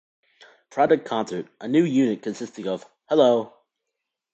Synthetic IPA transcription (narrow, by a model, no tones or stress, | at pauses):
pʰɹ̥ɑdək̚kʰɑ̃nsə˞tʔənjʉjʉnɨt̚kʰɨ̃nsɪstɪ̃ŋʌv̥ | hɛloʊ